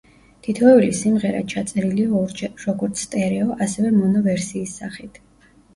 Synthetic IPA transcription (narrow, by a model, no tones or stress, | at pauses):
t̪ʰit̪ʰɔɛlisimʁɛɾa̰t͡ʃʰat̪sʼɛɾiliɔɾd͡ʒɛɾɔɡɔɾt̪sʰt̪ʼɛɾɛɔʔasɛvɛmɔnɔvɛɾsiːsːaχit̪ʰ